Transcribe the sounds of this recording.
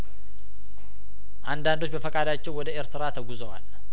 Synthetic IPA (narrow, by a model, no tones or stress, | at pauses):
ʔand̪and̪o̞t͡ʃːbəfəkʼad̪at͡ʃːɛwːɔd̪əeɾt̪ʰɨɾat̪ʰəɡuzəwa̰l